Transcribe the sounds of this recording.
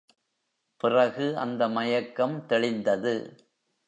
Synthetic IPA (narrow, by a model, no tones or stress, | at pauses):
pɪrɐɣɯʔɐ̰nd̪ɐmɐjɐkːɐmt̪ɛɻɪnd̪ɐðɯ